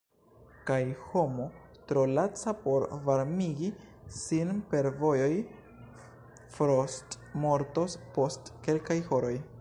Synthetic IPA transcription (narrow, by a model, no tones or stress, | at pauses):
kajho̞mo̞tɾo̞lat͡sapo̞ɾvaɾmiɡi | sinpe̞ɾvo̞jo̞j | fɾost | mo̞ɾto̞spo̞stke̞lkajho̞ɾo̞j